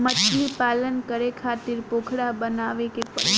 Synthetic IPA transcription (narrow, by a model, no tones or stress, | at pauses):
mət͡ʃʰipaːlənkəɾekʰat̪ɪɾpoːkʰɽabənaʋekepə